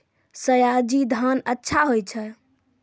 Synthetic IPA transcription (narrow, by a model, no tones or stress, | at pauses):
səjad͡ʒid̪ʱanətːʃʰaɦojt͡ʃʰə